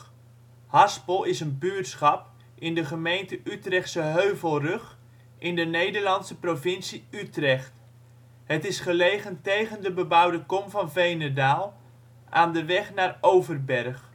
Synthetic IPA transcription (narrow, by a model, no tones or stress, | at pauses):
hɑspəlˠɪsənbyɹtsχɑp | ʔɪndəχəmejntəʔytrɛχtsəɦøɥvəlˠrøχ | ʔɪndənejdəɹlɑntsəprovɪnsiytrɛχt | ɦətɪsχəlejχəntejχəndəbəbʌwdəkɔmvɑnvejnədaːlˠ | ʔaːndəʋɛχnaːrowvərbɛrχ